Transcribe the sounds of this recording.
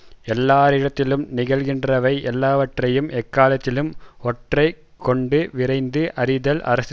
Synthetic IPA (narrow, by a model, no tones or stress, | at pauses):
ɛlːaːɾɪɽɐt̪ːɪlɯmnɪɣɐɭɣɪndrɐʋɐɪʔɛlːaːʋɐʈrɐjɯmʔɛkːaːlɐt̪ːɪlɯmɔʈrɐɪ | kːɔɳɖɯʋɪrɐɪnd̪ɯʔɐɾɪðɐlʔɐ̰ɾɐs